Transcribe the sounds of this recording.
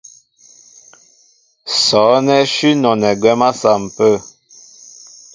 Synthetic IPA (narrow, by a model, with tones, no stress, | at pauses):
sɔ˨˦nɛ˦ʃi˦nɔ˨nɛ˨ɡwɛ˦ma˦sa˨m̩˨pə˦˨